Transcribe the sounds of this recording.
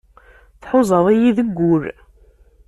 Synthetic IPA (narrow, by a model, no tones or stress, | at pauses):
θħʊzˤəðˤijiðəɡːʊɾ